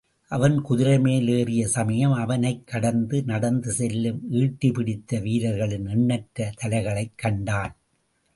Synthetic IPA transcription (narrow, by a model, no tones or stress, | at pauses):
ʔɐʋɐnkʊðɪɾɐmeːleːrɪjɐsɐmɐjɐmɐʋɐnɐɪkːɐɽɐnd̪ɯnɐɽɐnd̪ɯsɛlːɯmiːʈːɪpɪɽɪt̪ːɐʋiːɾɐɾɣɐɭɪnɪɳːɐʈɾɐt̪ɐlɐɪɣɐɭɐɪkːɐɳɖaːn